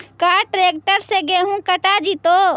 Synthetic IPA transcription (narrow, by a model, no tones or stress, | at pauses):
kaːʈɾeːk̚ʈəɾseɡeɦũkəʈad͡ʒit̪oː